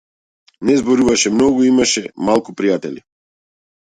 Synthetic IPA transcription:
nɛzbɔɾuvaʃɛmnɔɡuimaʃɛmalˠkupɾijat̪ɛli

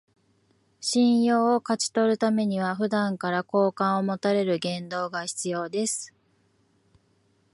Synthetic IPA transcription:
ɕĩɰ̃jo̞ːkat͡ɕi̥t̪o̞ɾɯ̟t̪ame̞ɲ̟iβ̞aɸɯ̟d̪ãŋkaɾako̞ːkãɰ̃o̞mo̞t̪aɾe̞ɾɯ̟ɡẽ̞nd̪o̞ːɡaçi̥t͡sɨjo̞ːd̪e̞sɨ̥

